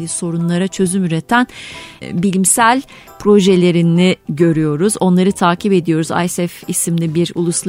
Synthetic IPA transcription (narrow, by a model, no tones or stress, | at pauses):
lʲiso̞ɾunlˠaɾat͡ʃʰø̞zymyɾet̪ʰænbilʲimsælʲ | pʰɾo̞ʒelʲe̞ɾiniɟø̞ɾyjo̞ɾuzo̞nlˠaɾɯt̪ʰaːcʰipe̞d̪ijo̞ɾuza̰jsɛfisimlʲibiɾṵlˠuslˠ